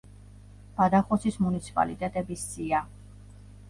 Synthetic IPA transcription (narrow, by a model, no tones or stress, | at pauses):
b̥ad̪aχɔsismunit̪sʰi̥pʼa̰lḭt̪ʼɛt̪ʼɛbisz̥ʼia